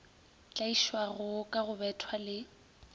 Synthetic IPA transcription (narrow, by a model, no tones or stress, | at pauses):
t͡ɬʼaiʃwaɣʊkʼaɣʊbɛtʰwalɪ